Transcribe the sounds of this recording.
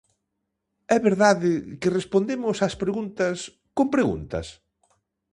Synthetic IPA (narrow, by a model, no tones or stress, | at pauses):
ɛβeɾðaðɪkɪrespond̪emʊsaspɾeɣunt̪ɐs | kompɾeɣṵnt̪ɐ̰s